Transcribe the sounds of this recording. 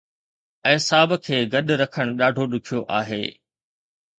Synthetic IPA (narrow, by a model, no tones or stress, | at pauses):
ɛ̃ːsaːbkʰeːɡɐɗɾɐkʰəɽ̃ɗaːɖʱoɗʊkʰijoʔaːɦeː